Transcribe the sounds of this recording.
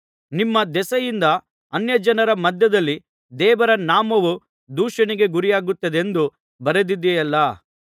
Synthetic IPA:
nimːɐd̪ɛsɐjind̪ɐ | ɐnjɐd͡ʒɐnɐɾɐmɐd̪ʱjɐd̪ɐlːi | d̪ɛːʋɐɾɐnaːmɐʋu | d̪uːʂɐɳiɡe̞ɡuɾijaːɡut̪ːɐd̪e̞nd̪u | bɐɾed̪id̪ːɛjɐlːɐ

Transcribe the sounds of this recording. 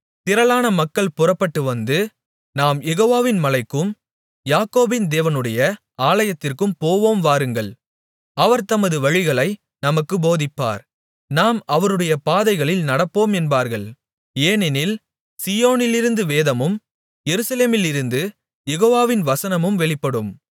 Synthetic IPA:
t̪ɪɾɐɭaːnɐmɐkːɐɭpʊrɐpːɐʈːɯʋɐnd̪ɯ | naːmjɛɣoːʋaːʋɪnmɐlɐɪkːɯm | jaːkoːbɪnd̪eːʋɐnɯɽɐjɐ | aːlɐjɐt̪ːɪrkɯmpoːʋoːmʋaːɾɯŋɡɐɭ | ɐʋɐɾt̪ɐmɐðɯʋɐɻɪɣɐɭɐɪ | nɐmɐkːɯboːðɪpːa̰ːɾ | naːmɐʋɐɾɯɽɐjɐpaːðɐɪɣɐɭɪlnɐɽɐpːoːmɛnbaːɾɣɐɭ | eːnɛnɪl | sijoːnɪlɪɾɯnd̪ɯʋeːðɐmɯm | jɛɾɯsɐleːmɪlɪɾɯnd̪ɯ | jɛɣoːʋaːʋɪnʋɐsɐnɐmɯmʋɛɭɪpːɐɽɯm

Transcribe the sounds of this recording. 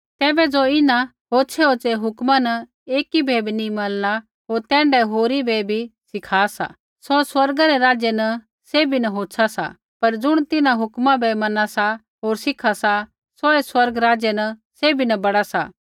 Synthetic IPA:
t̪ɛːbɛd͡zoːɪnã | ɦoːt͡ʃʰɛoːt͡ʃeɦʊkmanɐ | eːkibʱeːbnimɐlɽa | ɦoːɾt̪ɛ̃ːɳɖɛɦoːɾibɛbʱisɪkʰaːsa̰ | sɔswɐɾɡaɾɛɾaːd͡ʒjenɐ | seːbʱinɐɦoːsʰasa̰ | pɐɾd͡zʊɽ̃t̪ɪnãɦʊkmãbɛmɐnasa | ɦoːɾsɪkʰasa | soeswɐɾɡɾaːd͡ʒjɛnɐseːbʱinɐbɐɽasa̰

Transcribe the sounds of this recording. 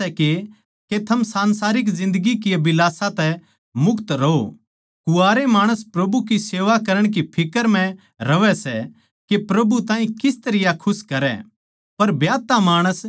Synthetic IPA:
ɛke | ket̪ʰɐmsãːnsaːɾɪk̬zɪ̃nd̪əɡikiɐbɪlaːsãt̪ɛ | mʊkt̪ɾɐɦo | kʊaːɾemaːɽ̃əspɾɐbukiseːʋakɐɾəɽ̃k̬ipʰɪkəɾm̤ɛ̃ | ɾɐʋɛsɛ | kepɾɐbut̪ãːɦĩkɪst̪ɐɾɪjakʰʊskɐɾɛ̰ | pɐɾbjaːt̪amaːɽ̃əs

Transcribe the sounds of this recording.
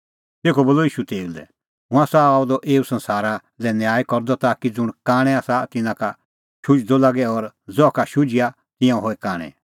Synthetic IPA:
t̪eːkʰɔboːlɔiːʃut̪eːud̪ɛ̰ | ɦʊ̃ãsaaːd̪ɔʔeːusɐ̃nsaːɾa | lɛnjaaːikɔɾd̪ɔt̪akid͡zʊɽ̃kaːɽ̃ɛ̃aːsat̪ɪnãka | ʃʊd͡ʒd̪ɔlaɡɛɔɾd͡zɔakaʃʊd͡ʒɪja | t̪ɪ̃jãũɦoːɛkaːɽ̃ɛ̰

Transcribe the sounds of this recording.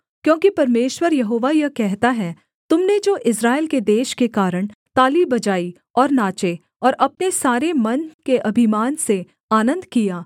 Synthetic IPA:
kjõːkipɐɾmeːʃwəɾjɐɦoːʋajɐkɛɦt̪aɦɛ | t̪ʊmned͡ʒoːʔɪs̬ɾaːelked̪eːʃkekaːɾəɽ̃t̪aːlibɐd͡ʒaːi | ɔːɾnaːt͡ʃe | ɔːɾɐp̚nesaːɾemɐnkeʔɐbʱɪmaːnse | aːnə̃nd̪kijaː

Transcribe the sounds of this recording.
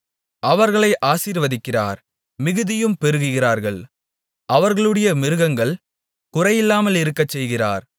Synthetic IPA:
ʔɐʋɐɾɣɐɭɐɪʔaːsiːɾʋɐðɪkːɪra̰ːɾ | mɪɣɯðɪjɯmpɛɾɯɣɯɣɪraːɾɣɐɭ | ʔɐʋɐɾɣɐɭɯɽɐjɐmɪɾɯɣɐŋɡɐɭ | kʊrɐjɪlːaːmɐlɪɾɯkːɐt͡ʃːɛjɣɪra̰ːɾ

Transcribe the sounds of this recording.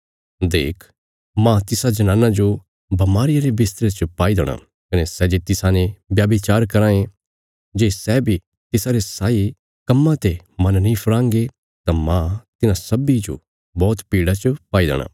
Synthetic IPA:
d̪ḛːkʰ | mãt̪ɪsad͡ʒɐnãːnãd͡ʒo | bɐmaːɾɪjaɾebɪst̪ɾet͡ʃəpaːid̪ɛːɽ̃a̰ | kɐnesɛd͡ʒet̪ɪsanẽbjaːbit͡ʃaːɾkɐɾãːẽ | d͡ʒeːsɛbʱi | t̪ɪsaɾesaːi | kɐmːãt̪e | mɐnnĩpʰɐɾãːŋɡe | t̪ãmãt̪ɪnãsɐbid͡ʒo̰ | bɔːt̪piːɽat͡ʃəpaːid̪ɛ̰ːɽ̃ã̰ː

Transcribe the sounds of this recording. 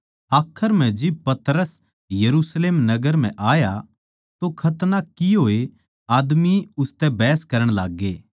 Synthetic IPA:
aːkʰəɾm̤ɛ̃d͡ʒɪb̚pɐt̪ɾəs | jɐɾusleːmnɐɡəɾm̤ɛ̃ʔaːja | t̪okʰɐt̪nakiɦoːe | aːd̪miʊst̪ɛbɛːskɐɾəɽ̃laːɡːeː

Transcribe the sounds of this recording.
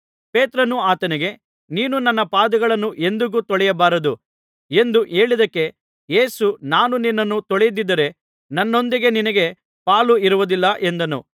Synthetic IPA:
pe̞ːt̪ɾɐnuaːt̪ɐniɡe̞ | niːnunɐnːɐpaːd̪ɐɡɐɭɐnːuʔe̞nd̪uɡut̪ɔɭɛjɐbaːɾɐd̪u | e̞nd̪uʔe̞ːɭid̪ɐkːe̞ | je̞ːsunaːnuninːɐnːut̪ɔɭejid̪id̪ːɐɾe̞ | nɐnːo̞nd̪iɡe̞ninɐɡe̞ | paːluiɾuʋud̪ilːɐʔe̞nd̪ɐnṵ

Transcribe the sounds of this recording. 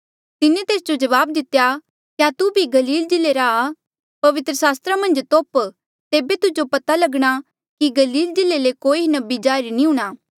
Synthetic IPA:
t̪ɪnẽt̪eːsd͡ʒod͡ʒɐʋaːb̚d̪ɪt̪ja | kjat̪ubʱiɡɐliːld͡ʒɪleɾaː | pɐʋɪt̪ɾəsaːst̪ɾamɐ̃nd͡ʒt̪oːp | t̪eːbet̪ʊd͡ʒopɐt̪alɐɡɽ̃a | kiɡɐliːld͡ʒɪlelekoːinɐbid͡ʒaːɾinĩɦũɽ̃aː

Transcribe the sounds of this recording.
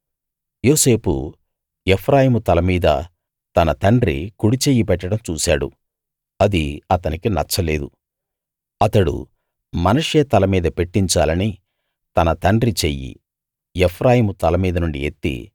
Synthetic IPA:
joːse̞ːpṵ | epʰɾaːjimut̪ɐlɐmiːd̪ɐ̰ | t̪ɐnɐt̪ɐɳɖrḭkuɽit͡ʃeːjipɛʈːɐɽɐmt͡ʃuːsa̰ːɽṵ | ɐd̪iɐt̪ɐnikinɐ̰t͡ʃːɐle̞ːd̪u | ɐt̪ɐɽṵ | mɐnɐʂeːt̪ɐlɐmiːd̪ɐpe̞ʈːiɲt͡ʃaːlɐni | t̪ɐnɐt̪ɐɳɖɾit͡ʃejːḭ | epʰɾaːjimut̪ɐlɐmiːd̪ɐnuɳɖiet̪ːḭ

